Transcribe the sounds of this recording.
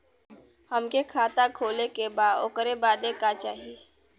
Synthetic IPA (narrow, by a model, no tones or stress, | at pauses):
həmkekʰaːt̪akʰoːlekebaːd̪okəɾebaːd̪ekat͡ʃaːɦieː